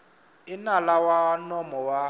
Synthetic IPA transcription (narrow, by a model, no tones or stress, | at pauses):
ɪnalawanɔmɔwa